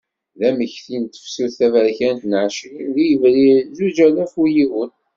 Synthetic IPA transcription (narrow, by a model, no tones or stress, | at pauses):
ðæməçθint̪ə̥fsuθævəɾçænt̪nʕʃɾinðijəvɾizud͡ʒælæfujiwən